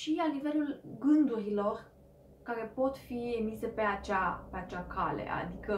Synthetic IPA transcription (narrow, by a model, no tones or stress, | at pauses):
ʃianive̞lulɡɨnd̪uɾilo̞r | kaɾe̞po̞t̪fie̞mise̞pe̞at͡ʃape̞at͡ʃakʰale̞̰a̰d̪ikə